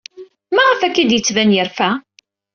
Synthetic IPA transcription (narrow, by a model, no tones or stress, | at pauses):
mæʁəfækːid̪jət͡sːvænjəɾfæ